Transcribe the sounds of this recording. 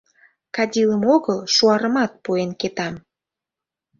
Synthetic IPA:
kɑdʲiləmoɣəlʃuɑɾəmɑt̪̚puenket̪ɑm

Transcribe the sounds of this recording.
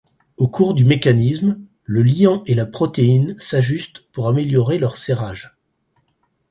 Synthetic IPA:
okʰuʁd̪ymekanism | ləliɑ̃ʔelapχɔt̪einsaʒyst̪puʁameljɔʁelœʁseʁaʒ

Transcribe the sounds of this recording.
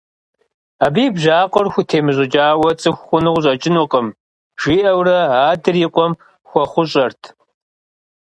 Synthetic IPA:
aːbiːbʑaːqʷɔrxʷʊtʰeːmɨʑʼɪd͡ʒaːwɐt͡sʼɨxʷxʷʊnɨʁʑʼɐt͡ʃʼɪnuqəm | ʒ̥iːʔɐwrɐaːdɨriqʷʼɔm | xʷɔχʷʊɕʼɐrtʰ

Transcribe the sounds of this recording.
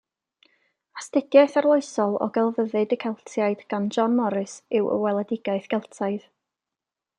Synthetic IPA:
astɪdjaɨθarlˠoɨsɔlˠɔ̰ɡɛlˠvəðɨdəkʰɛlˠtʰjaɨd̥ɡ̥and͡ʒɔnmɔɾɨsɪwə̰wɛlˠɛdɪɡaɨθɡ̥ɛlˠtʰaɨð

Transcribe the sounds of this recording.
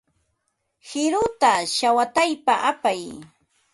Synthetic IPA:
hɪɾʊt̪aʃawat̪ajpaʔapaj

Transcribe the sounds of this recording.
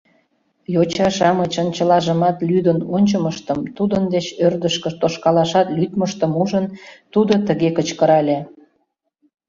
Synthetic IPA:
jot͡ɕɑʃɑmət͡ɕənt͡ɕəlɑʒəmɑt̪lyd̪ənonʲt͡ɕəməʃt̪əmt̪ud̪ənd̪et͡ɕørd̪əʃkə̆t̪oʃkɑlɑʃɑt̪lʲyt̪məʃt̪əmuʒənt̪ud̪ot̪əɣekət͡ɕkəɾɑlʲe

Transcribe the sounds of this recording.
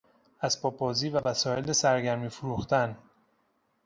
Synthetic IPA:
æzpʰɒːbɒːziːvævæsɒːelesæɾɟæɾmiːfoɾuːxt̪ʰæn

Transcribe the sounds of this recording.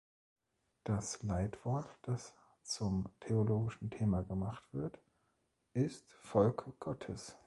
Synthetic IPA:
d̥aslaɪtv̥ɔɐtd̥as | t͡sʊmtʰeoloːɡɪʃn̩tʰeːmaɡəmaχtv̥ɪɐt | ʔɪstfɔlkɡ̥ɔtʰəs

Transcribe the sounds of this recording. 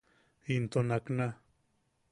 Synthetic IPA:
int̪onakna

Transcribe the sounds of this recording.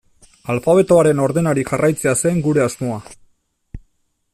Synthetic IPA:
alfaβ̞e̞t̪o̞aɾe̞no̞ɾðe̞naɾiʝarʔajt͡se̞ase̞ŋɡuɾe̞azmo̞a

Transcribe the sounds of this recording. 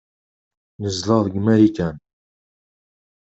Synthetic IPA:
nəzlɑðˤɡmæɾikæn

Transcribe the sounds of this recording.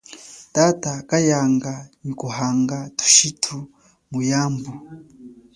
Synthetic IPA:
tatakajaːŋɡaɲikuɦaːŋɡatu̥ʃitʰu | mujaːmbu

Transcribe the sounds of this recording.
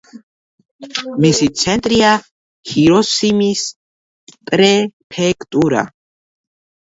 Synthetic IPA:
misit̪sʰɛnt̪ʼɾia | hiɾɔsimis | pʼɾɛpʰɛkʰt̪ʼuɾa̰

